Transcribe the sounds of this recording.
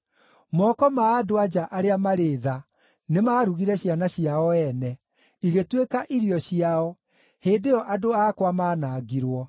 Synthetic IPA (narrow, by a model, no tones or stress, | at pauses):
mɔkɔmaːdoad͡ʑaʔaɾeamaɾeːða | nemaːɾuɣiɾɛɕianaɕiaɔɛnɛ | iɣetwekaʔiɾiɔɕiaɔ | heːndeɔʔadoakwamaːnaɣiɾwɔ